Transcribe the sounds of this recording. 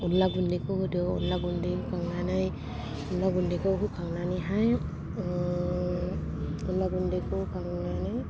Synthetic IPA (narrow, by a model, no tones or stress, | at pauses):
unlaɡundekɯhdɯwɔ̰nlaɡundikaŋnanaj | unlaɡundikɯwɦukʰaŋnaniɦaj | ɔnlaɡundekɯkaŋnanaj